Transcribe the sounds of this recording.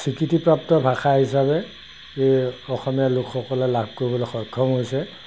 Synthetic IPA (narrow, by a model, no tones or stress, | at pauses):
sʰikitipɹap̚tɔbʱaxaɦisabɛ | eɔxɔmijalʊkxɔkɔlɛlab̚ʱkoɹibɔlɔxɔkʰːɔmɦojsɛ